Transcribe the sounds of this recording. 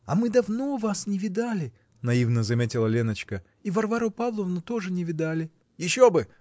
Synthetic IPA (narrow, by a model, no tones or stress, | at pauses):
ɐmɨd̪ɐvno̞vasnʲɪvʲɪd̪alʲɪ | nɐivnəzɐmʲetʲɪlˠəlʲenət͡ɕkə | ivɐrvaɾʊpavlˠəvnʊt̪o̞ʐɨnʲɪvʲɪd̪alʲɪ | jɪɕːobɨ